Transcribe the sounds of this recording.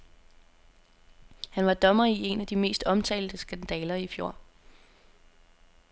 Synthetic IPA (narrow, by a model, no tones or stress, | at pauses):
hænʋɑ̈d̥ɒ̽mɐie̝næd̥ime̝̰ːsd̥ɒ̽mt͡sʰɛ̰ːld̥əsɡ̥ænd̥ɛːlɐifjo̝ɐ̰